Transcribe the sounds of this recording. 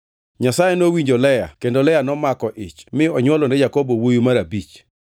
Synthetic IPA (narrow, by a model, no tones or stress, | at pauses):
ɲasajenowiɲd͡ʒolɛja̰kendolɛjanɔmakɔʔɪt͡ʃmɪɔɲwɔlɔnɛjakobowojumaɾabit͡ʃ